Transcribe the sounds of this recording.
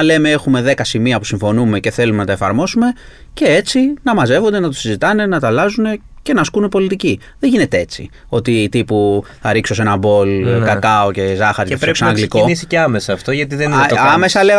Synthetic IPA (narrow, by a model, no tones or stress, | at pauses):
le̞me̞exume̞ðe̞kɐsimiɐpusiɱfo̞nume̞ce̞θe̞lumenɐt̪ɐefɐɾmo̞sume̞ | ce̞e̞t͡sinɐmɐze̞vo̞nd̪e̞nɐt̪̬osizit̪ɐne̞nɐt̪ɐlɐzune̞ce̞nɐskunepo̞lit̪ici | ðeʝine̞t̪e̞e̞t͡sḭ | o̞t̪iːt̪ipuθɐɾikso̞s̬e̞nɐbo̞lkɐkɐo̞ce̞zɐxɐɾɐceefɾoksenɐŋɡliko̞isiceɐme̞sɐːft̪o̞ʝɐt̪iðenoɐmesɐle